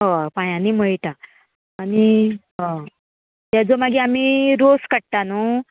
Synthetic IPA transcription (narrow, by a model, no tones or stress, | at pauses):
ɦɔpajãnːiːməɭt̪aː | niɦɔ̃ | t̪ad͡zomaɡiam̤iɾoskəɽt̪ano